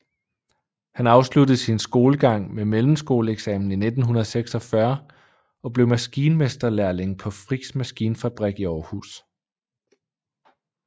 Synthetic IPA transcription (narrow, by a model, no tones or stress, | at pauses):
hænɑ̈ʊsludð̩ˠsinsɡ̥o̝ːləɡ̥ɑ̈ŋ̰memelm̩sɡ̥o̝̰ːləeɡ̥sɛmn̩ine̝d̥n̩ɦunɐðˠseɡ̥sɒ̽fɶɐ | ɒ̽b̥le̝ʊmæsɡ̥iːnəmesd̥ɐlæɐle̝ŋpʰɒ̽fʁiɡ̥smæsɡ̥iːnəfæb̥ʁɛɡ̥iɒʊhṵːs